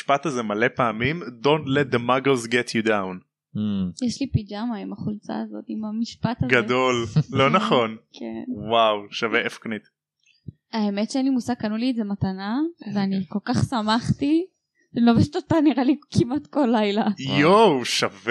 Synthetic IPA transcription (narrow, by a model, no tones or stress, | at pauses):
ʃpat̪azemalepaːmimdõntlɛt̪̚d̪emaɡozɡɛtʰjudawn | jeʃlipid͡ʒamaimaχult͡sa̰ːzo̞t̪imamiʃpat̪azɡad̪ollonaχo̞nkʰḛnwawʃaveʔefknit̪ | aemetʃeanimusaɡ̚kanulietzematanaveaniko̞lkaχsamaχt̪i | loveʃt̪otaniʁalikʰimat̪kolːajlajowʃav